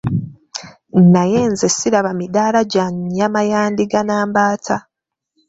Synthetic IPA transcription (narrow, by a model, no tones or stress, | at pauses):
nnaje̞ːnzesiɾaβamidaːlaɟaɲːamajaːndiɡanaːmbaːtʰa